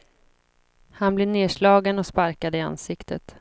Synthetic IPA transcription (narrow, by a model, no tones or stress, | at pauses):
hanbleːneːʂɭɑːɡənɔspaɾkad̪əɪa̰nsɪkt̪ʰə̰t̪